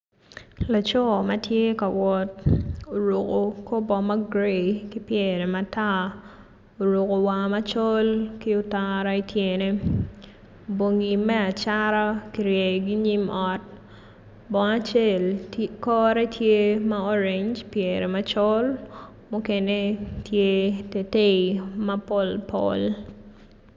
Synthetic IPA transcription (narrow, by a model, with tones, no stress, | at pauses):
la˨t͡ʃɔ˦mɐ˦tje˦ka˨wɔ˨to˨ɾo˨ko˨ko˦bɔ˦ma˦ɡɾe˨ki˦pje˨ɾɛ˨mata˦ | o˨ɾo˨ko˨wa˨ma˦t͡ʃo˦lki˦o˦taɾa˦i˦tʰje˦ne˦ | bo˨ŋi˨mɛ˦a˨t͡ʃaɾɔ˦ki˨ɾje˨ɡi˦ɲi˦mɔ˨t̚ | bɔ˨ŋa˦t͡ʃe˦lkɔ˦ɾɛ˦tʰje˦maɔ˦ɾe˨ɲd͡ʒpjeɾe˨ma˦t͡ʃɔ˦l | mʊ˦kene˦tʰje˦te˨te˦i˨mapo˦lpʰɔ̰l